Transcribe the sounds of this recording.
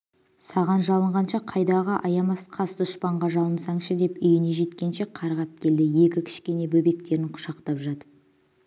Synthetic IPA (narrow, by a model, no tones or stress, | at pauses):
sɑʁɑnʒɑlˠəɴʁɑnʃɑqʰɑjd̪ɑʁəʔɑjɑmɑsqʰɑsd̪ʊʃpɑɴʁɑʒɑlˠənsɑɴʃəd̪e̞pʏjɪne̞ʒe̞t̪kʲe̞nʃe̞qʰɑɾʁɑp̚kʲʰe̞ld̪ɪje̞kʲɪkʲʰɪ̥ʃkʲe̞ne̞bɵbe̞k̚t̪e̞ɾɪɴqʰʊ̥ʃɑqt̪ɑpʒɑt̪ə